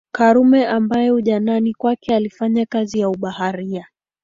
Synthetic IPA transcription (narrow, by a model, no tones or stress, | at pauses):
kaɾumɛʔambajɛuʄananikwakɛalifaɲakazijauɓahaɾia